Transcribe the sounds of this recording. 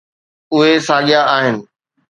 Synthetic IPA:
ʊɦesaːɠjaaːɦɪnɪ̆

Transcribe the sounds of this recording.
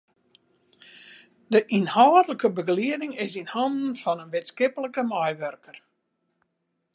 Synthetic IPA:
dəʔinhaːdələkəbəɡliədɪŋɪsinhɔndn̩fɔnənʋɪtskɪpələkəmɔjʋørkər

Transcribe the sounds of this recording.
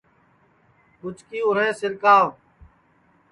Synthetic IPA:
kʊt͡ʃkiːʊɾɦẽːsɪɾkaːʋ

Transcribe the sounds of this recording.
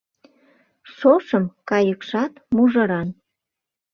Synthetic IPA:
ʃoʃəmkɑjəkʃɑt̪muʒə̆ɾɑn

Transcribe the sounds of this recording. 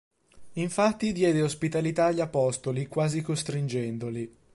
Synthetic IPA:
iɱfat̪ːid̪jɛːd̪eospit̪alit̪aːʎːiapɔst̪olikwaːzikost̪ɾind͡ʒɛnd̪oli

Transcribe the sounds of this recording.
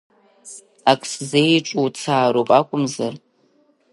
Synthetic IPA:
akʷʰʼszejʈ͡ʂʼowt͡sʰaːɾowpʼakʷʼʊmzar

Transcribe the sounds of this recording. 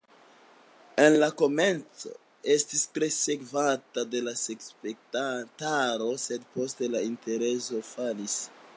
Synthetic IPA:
e̞nlako̞me̞nt͡so̞̰ | e̞stistɾe̞se̞kvatade̞lasekspek̚tataɾo̞se̞d̚po̞ste̞lainte̞ɾe̞so̞falis

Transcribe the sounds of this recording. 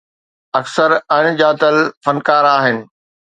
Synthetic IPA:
ɐksəɾɐɽ̃d͡ʑaːt̪əlfɐnkaːɾaːɦɪnɪ̆

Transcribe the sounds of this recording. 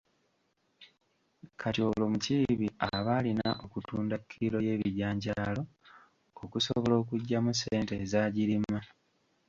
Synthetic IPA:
kʰatio̞lo̞muciβiaβaːlinaʔo̞kutuːndakʰːiiɾo̞je̞ːβiɾjaːɲɟaːlo̞ | okusoβo̞lo̞ːkuɟːamuseːnte̞ːzaːɟiɾima

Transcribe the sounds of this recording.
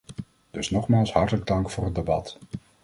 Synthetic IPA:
d̥ɵsnɔχmaːlˠsɦɑɹtələɡ̚dɑŋkfʊːrɦət̚debɑ̰t

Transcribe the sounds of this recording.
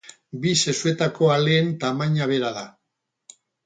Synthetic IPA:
bise̞sue̞t̪ako̞aleːnt̪amaɲaβ̞e̞ɾaða

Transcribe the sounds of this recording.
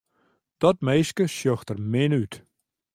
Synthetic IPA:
d̥ɔt̚mejskəsjøxtərmɪnyt

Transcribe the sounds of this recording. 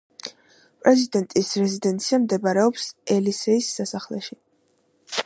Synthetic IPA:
pʼɾɛzid̪ɛnt̪ʼisɾɛzid̪ɛnt̪sʰiamd̪ɛbaɾɛɔpsɛlisɛisːasaχlɛ̰ʃi

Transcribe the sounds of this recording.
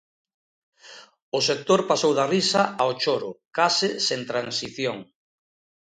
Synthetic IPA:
ʊsek̚t̪oɾpasowðarisɐaʔaot͡ʃoɾʊkasɪsent̪ɾansiθjoŋ

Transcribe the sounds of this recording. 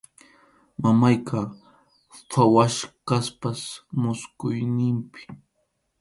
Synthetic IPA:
mamajkʰa | fʰawaʃɢaspasmʊskʊjnɪmpɪ̥

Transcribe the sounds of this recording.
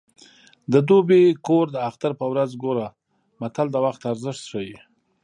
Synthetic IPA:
d̪əd̪obekoɾd̪əaxt̪aɾpəwɾazɡoɾa | mat̪ald̪əwaxt̪aɾzəʂt̪ʂəji

